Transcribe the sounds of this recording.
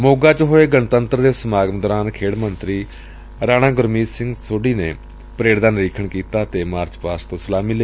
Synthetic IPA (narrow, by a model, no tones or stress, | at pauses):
moːɡaːt͡ʃɦoːeːɡənt̪ənt̪ɾd̪eːsəmaːɡəmd̪ɔːɾaːnkʰeːɽmənt̪ɾiː | ɾaːɽ̃ãːɡʊɾmiːsɪŋɡsoːɖiːneː | pəɾeːɽd̪aːnɾiːkʰəɳkiːt̪aːt̪eːmaːɾt͡ʃpaːst̪õːsəlaːmiːle